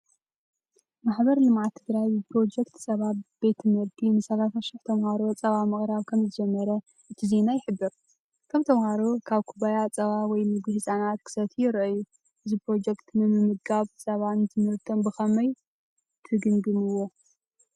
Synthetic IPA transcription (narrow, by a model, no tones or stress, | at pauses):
maħbɐɾlɨmʕat̪ʰːɨɡɾajbɨpʰɾo̞d͡ʒɛkt̪sʼɐβat̪b̥e̞t̪ʰmɐɾd̪inɨsɐlafɐʃɪħt̪ʰɐmhaɾo̞t͡sʼɐβamɨχʼɾaβkʰɐmzɨd͡ʒɛmːɐɾɐ | ʔɨt̪ʰize̞najɪħɨbːɨɾ | kʰɐmt̪ʰɐmhaɾo̞kʰaβkʰubajat͡sʼɐβawɔjmɨɡɨhɨsʼanat̪̚kʰɨ̥sɐt̪ʰijɪɾʔɐjːu | ʔɨzipɾo̞d͡ʒɛkt̪nɨmɨmɨɡaβsʼɐβanzʰɨmɨɾt̪ʰombɨxɐmɐj | t̪ʰɨɡɨŋɡɨmɨwo̞